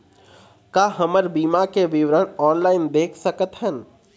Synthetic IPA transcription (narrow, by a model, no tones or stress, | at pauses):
kaːɦəməɾbiːmakeʋɪʋɾəɽɔːnlaːɪnd̪eːkʰsəkət̪ɦən